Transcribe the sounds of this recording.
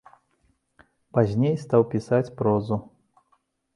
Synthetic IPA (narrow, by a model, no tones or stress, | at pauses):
pazʲnʲejst̪awpʲisat͡sʲpɾɔzu